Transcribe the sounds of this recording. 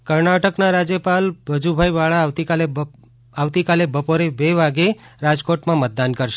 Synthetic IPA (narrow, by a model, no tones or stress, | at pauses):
kəɾnaʈəknaɾad͡ʒjəpalbʱəd͡ʒubʱajʋaɭaʋt̪ikale | aʋt̪ikalebəpoɾebeʋaɡeɾad͡ʒkoʈmãmət̪̚d̪ankəɾʃe